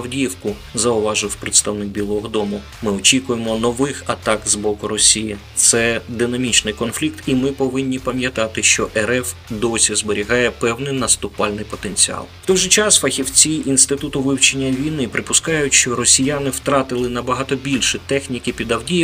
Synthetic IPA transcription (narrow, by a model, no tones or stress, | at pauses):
ɐwdʲiwkʊ | zɐʊʋɑʒɪwpɾɪt̪st̪ɐwnɪk̚bʲilˠɔɦɔd̪ɔmʊ | mɪɔt͡ʃʲikʊjemɔnɔʋɪxɐt̪ɑkzbɔkʊɾɔsʲijit̪sɛd̪ɪnɐmʲit͡ʃnɪjkɔnflʲikt̪imɪpɔʋɪnʲːipɐmʲjɐt̪ɑt̪ɪʃt͡ʃɔʔɛɾɛfd̪ɔsʲizbeɾʲiɦɑjɛpɛwnɪjnɐst̪ʊpɑlʲnɪjpɔt̪enʲt͡sʲiɑ̰lˠft̪ɔjʒɪt͡ʃɑsfɐxʲiwt͡sʲiʔinst̪ɪt̪ut̪ʊʋɪwt͡ʃenʲːɐʋʲijnɪpɾɪpʊskɑjʊtʲʃt͡ʃɔɾɔsʲijanɪwt̪ɾɑt̪ɪlˠɪnɐbɐɦɑt̪ɔbʲilʲʃɪt̪ɛxnʲikɪpʲid̪ɐwdʲij